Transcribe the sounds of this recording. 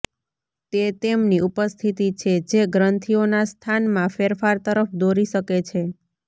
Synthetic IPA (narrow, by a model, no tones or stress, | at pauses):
t̪et̪emniʔupəst̪ʰit̪it͡ʃʰed͡ʒeɡɾənt̪ʰionast̪ʰanmãfeɾfaɾt̪əɾəfd̪oɾiʃəket͡ʃʰe